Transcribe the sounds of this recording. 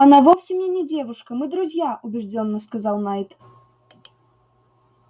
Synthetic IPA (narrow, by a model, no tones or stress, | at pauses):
ɐnavɔwsʲimnʲɛnʲɛd͡zʲɛvuʂkɐmɨd̪ɾuzʲjaʔubʲɛʐd͡zʲɔnːɐskazawnajt̪